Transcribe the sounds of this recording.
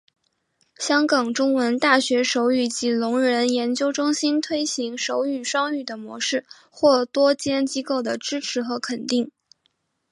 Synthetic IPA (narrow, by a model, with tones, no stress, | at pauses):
ɕjɑ˥ŋkɑ˨˩ŋʈ͡ʂʊ˥ŋwə˧˥nt̪a˥˩ɕɥɛ˧˥ʂo˧˥ʊy˥˩t͡ɕi˧˥lʊ˧˥ŋɻə˧˥njɛ˧˥nt͡ɕjo˥ʊʈ͡ʂʊ˥ŋɕi˥nt̪ʰwe˥ɪɕi˧˥ŋʂo˧˥ʊy˥˩ʂɑ˥ŋy˥˩d̪ə˩mwɔ̰˧˥ʂɻ̩˥˩ | xwɔ˥˩t̪wɔ˥t͡ɕjɛ˥nt͡ɕi˥ko˥˩ʊd̪ə˩ʈ͡ʂɻ̩˥ʈ͡ʂʰɻ̩˧˥xɤ˧˥kʰə˨˩nt̪i˥˩ŋ